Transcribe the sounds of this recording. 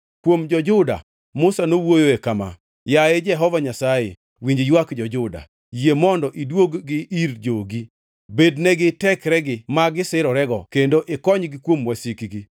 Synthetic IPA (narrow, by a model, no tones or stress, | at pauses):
kwomd͡ʒɔd͡ʒʊda̰ | mʊsanowojoekama̰ | jaed͡ʒɛɦɔvaɲasajḛ | wiɲd͡ʒjwakd͡ʒɔd͡ʒʊda̰ | jemɔndɔʔidwoɡːɪʔiɾd͡ʒoɡi | bednɛɡɪtɛkɾɛɡɪmaɡɪsɪɾɔɾɛɡɔkendoʔɪkɔɲɡɪkwomwasikiɡi